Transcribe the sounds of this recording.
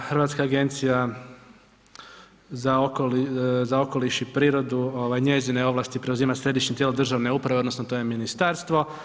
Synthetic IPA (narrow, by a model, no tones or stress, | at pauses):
xɾʋat̪skaːɡe̞nt̪sija | zaokolizao̞ko̞liʃipɾiːɾo̞d̪uo̞ʋajɲe̞zine̞o̞ʋlˠaːst̪ipɾe̞uziːmasɾe̞d̪iʃɲet̪jeld̪r̩ʒaʋne̞upɾaʋe̞o̞d̪no̞snot̪o̞je̞minist̪aɾst̪ʋo̞